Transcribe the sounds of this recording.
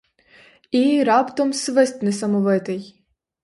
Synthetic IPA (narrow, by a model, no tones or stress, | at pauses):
iɾɑpt̪ɔmsʋɛsʲt̪ʲnɪsɐmɔʋɪt̪ɪj